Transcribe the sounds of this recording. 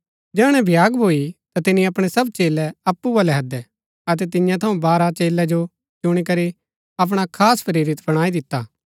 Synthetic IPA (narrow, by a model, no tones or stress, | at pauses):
d͡ʒɛːɽ̃ɛ̃bʱɪjaːɡbʱoːit̪at̪ɪniɐpɽ̃ɛsɐbt͡ʃeːlɛɐpːuʋɐlɛɦɐd̪ɛ | ɐt̪̬ɛt̪̬ɪjãt̪ʰɐũbaːɾat͡ʃeːlːɛd͡ʒo | t͡ʃʊɽ̃ik̬ɐɾi | ɐp̬ɽ̃akʰaːspʰɐɾeːɾɪt̪bɐɽ̃aːid̪ɪt̪ːa̰ː